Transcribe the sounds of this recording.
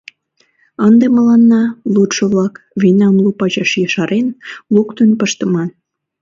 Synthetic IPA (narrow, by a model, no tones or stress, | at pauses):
ənd̪emə̆lɑnːɑlut̪ʃoβlɑkβinɑmlupɑʑɑʃjəʃɑɾʔenlukt̪unpəʃt̪ə̆mɑn